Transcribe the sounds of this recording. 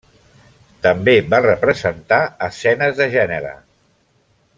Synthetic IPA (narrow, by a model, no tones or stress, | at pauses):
t̪əmbeβarəpɾəzənt̪aəsɛnəzðəʒɛnəɾə̰